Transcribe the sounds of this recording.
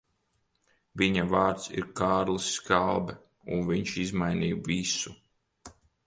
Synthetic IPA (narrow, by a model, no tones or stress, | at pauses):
viɲavaːɾt̪sḭɾkaːɾlɨsːkalˠbɛ | unviɲʃizmajniːjvisu